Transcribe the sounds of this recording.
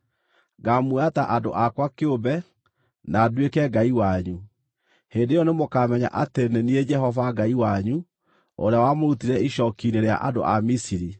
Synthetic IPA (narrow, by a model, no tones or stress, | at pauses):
ɡamuataʔado̰ʔakwakeobɛ | naːdekɛɡaiwaɲu | heːndejɔnemokamɛɲa̰ʔatenenied͡ʒɛhɔvaɡaiwaɲu | o̰ɾeawamoɾutiɾɛiʃɔkineɾea̰ʔado̰ʔa̰misiɾi